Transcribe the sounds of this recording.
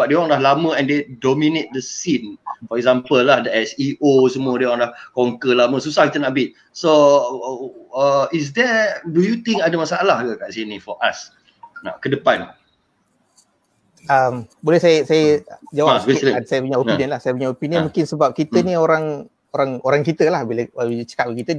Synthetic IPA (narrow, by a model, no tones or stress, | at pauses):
bap̚dewɔ̃ŋlahlamə̃ɛ̃ndedomĩnet̪̚dəsinfɔɾɛk̚zampəlːahdəɛsiʔosəmuədewɔŋlahkɔŋkəlaməsusahkit̪ənaʔbit̪̚ | so | əis̬dɛdujut̪ĩŋkadamasaalahɡakaʔsinĩfɔʔas | na̰kədəpan | əmbolɛhsajəsajəd͡ʒawaɛsajəpuɲaoiniənlahsajəpuɲaopiniənmũkɪnsəbap̚kit̪ənioɾaŋ | oɾaŋoɾaŋkit̪əlahbiləailət͡ʃə̥kaʔ̚ikit̪əni